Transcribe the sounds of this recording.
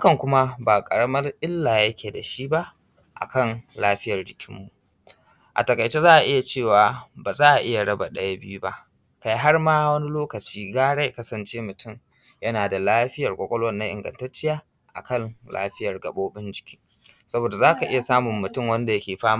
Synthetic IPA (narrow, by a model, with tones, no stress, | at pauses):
ha˦kɐ˨ŋkʷʊ˦ma˦baː˨kʼɐ˨ɽɐ˦mɐ˦rʔɪ˦lːaː˨jɐ˦kʲeː˨da˨ʃi˦ba˦ʔ | ʔa̰˨kɐ˦˨nlaː˦ɸɪ˦jɐ˨rɽɪ˦kʲʰɪ˦mːu˦ | ʔa̰˨tɐ˨kɐ˨jt͡ʃeː˦zaː˦ʔa˨ʔɪ˦ja˨t͡ʃeː˦˨waː˨baː˨zaː˦ʔa˨ʔɪ˦ja˨ɽɐ˦ba˨ɗɐ˦ja˦bɪ˦ju˦ba˦ʔ | ka˦ji˦ɦa˦rmaː˦wɐ˦ni˦loː˦kɐ˨t͡ʃiː˦ɡaː˦ɽe˦jkɐ˦sɐ˨nt͡ʃeː˦mʊ˨tʰʊ˦˨ŋ | jɐ˦naː˨da˨laː˦ɸɪ˦jɐ˨rkʷʼo˦kʷʼɔ˦lɐ˦nːa˦ŋʔɪ̰˨ŋɡɐ̰˨ntɐ˦t͡ʃːɪ˦jaː˦ | ʔa̰˨kɐ˦˨nla̰ː˦ɸɪ˦jɐ˨rɡɐ̰˨ɓoː˦bɪ˦nd͡ʒɪ˨kʲi̥ː˦ | sɐ˦boː˨da˨zaː˦ka˨ʔɪ˦ja˨saː˦mʊ˨mːʊ˨tʊ˦˨ŋwɐ˦nda˨jɐ˦kʲeː˨ɸaː˦m˦